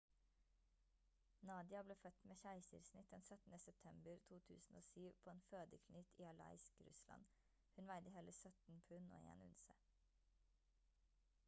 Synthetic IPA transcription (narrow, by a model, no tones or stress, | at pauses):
nɑːd̪ɪɑbleːfœt̪meːçæɪsə̰ɾsnɪt̪̚d̪ɛnsœt̪n̩əsɛp̚t̪ʰɛmbəɾt̪ʰuːt̪ʰʉ̰ːsn̩o̰ːsyːʋpʰoːeːnføːd̪əkʰnyt̪iːɑlɑ̰ɪskɾʉ̰slʔɑ̰n | hʉnʋæɪd̪əhɛːləsœt̪n̩pʰʉno̰ːḛːnʉ̰nsə